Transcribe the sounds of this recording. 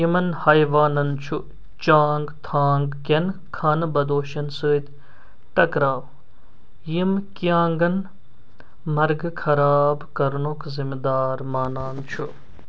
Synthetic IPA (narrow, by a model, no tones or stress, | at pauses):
imɐnhɐjʋaːnɐnt͡ʃʰu | t͡ʃaːŋɡt̪ʰaːŋɡkʲɐnkʰaːnbɐd̪oːʃɐnsəːt̪ʲ | ʈɐkɾaːw | jimkjaːŋɡɐn | mɐɾɡkʰɐɾaːbkɐɾɳoːkzimd̪aːɾmaːnaːnt͡ʃʰu